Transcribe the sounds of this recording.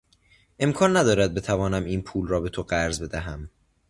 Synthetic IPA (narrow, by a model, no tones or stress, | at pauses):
ʔe̞mkʰɒːnːæd̪ɒːɾæd̪̚be̞t̪ʰævɒːnæmiːnpʰuːlrɒːbe̞t̪ʰoɢæɾzbe̞d̪æɦæm